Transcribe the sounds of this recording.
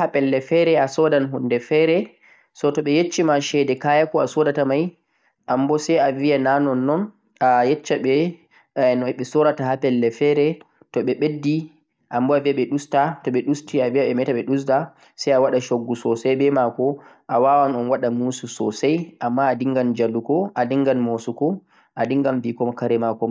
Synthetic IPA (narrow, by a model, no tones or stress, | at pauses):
hapɛlːɛfɛɾɛasɔdanɦundɛfɛɾɛ | sɔtɔɓɛjet͡ʃːimaʃɛdɛkajakɔasɔdatamaj | ʔambɔsɛjaviananɔnːɔn | ajɛt͡ʃːaɓɛ | nɔɓɛsɔɾatahapɛlːɛfɛɾɛ | tɔɓɛɓedːi | ʔambɔaviaɓɛɗustatɔɓɛɗustiaviaɓɛmɛtaɓɛɗus̬da | sajawaɗaʃoɡːusɔsajbɛmakɔ | ʔawawanɔnwaɗamuːsusɔ̰sajʔamːaːdiŋɡand͡ʒalːukɔʔadiŋɡanmosukɔ | ʔadiŋɡamviːkɔmɔkaɾɛmakɔm